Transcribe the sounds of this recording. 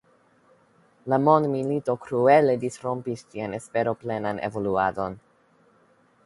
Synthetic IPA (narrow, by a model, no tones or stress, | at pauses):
lamo̞ndmilito̞kɾueledisɾo̞mpistianespe̞ɾo̞plenanḛvo̞luado̞n